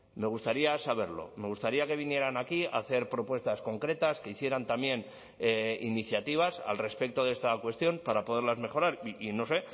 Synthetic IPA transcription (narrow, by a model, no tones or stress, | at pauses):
me̞ɣ̞ust̪aɾiasaβ̞e̞ɾlo̞̰me̞ɣ̞ust̪aɾiake̞β̞inje̞ɾanakia̰θe̞ɾpɾo̞pwe̞st̪asko̞ŋkɾe̞t̪aske̞iθje̞ɾant̪amje̞n | eḭniθjat̪iβ̞asa̰lre̞spe̞k̚t̪o̞ðe̞st̪akwe̞st̪jo̞mpaɾapo̞ð̞e̞ɾlazme̞xo̞ɾaɾiino̞se̞